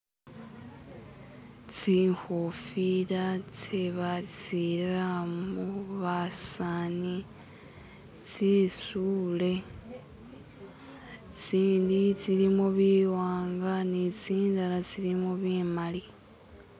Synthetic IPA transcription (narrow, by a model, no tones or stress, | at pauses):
t͡sixofiɾat͡seβat͡siɾamuβasani | t͡sisule̞ | t͡siːndit͡silimoβiwaːŋɡanit͡siːndalat͡silimoβimali